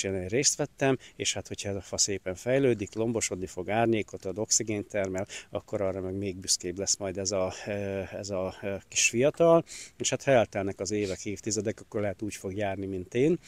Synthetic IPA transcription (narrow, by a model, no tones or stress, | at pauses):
eːneːreːst̪ʋɛt̪ːɛmeːʃhat̪ho̞cʰhɒɛzɒfɒseːpɛɱfɛjløːd̪iklo̞mbo̞ʃo̞d̪nifo̞ɡaːrɲeːko̞t̪ɒd̪o̞ksiɡeːnt̪ɛrmɛlɒ̰kːo̞ɾɒːrːɒmɛɡmeːɡ̚byskeːblɛsmɒjd̪ɛzɒ | ɛzɒki̥ʃfijɒt̪ɒleːʃhat̪hɒɛlt̪ɛlnɛkɒzeːvɛkheːft̪izɛd̪ɛkɒkːo̞rlɛɦɛt̪uːcfo̞ɡjaːrnimint̪eːn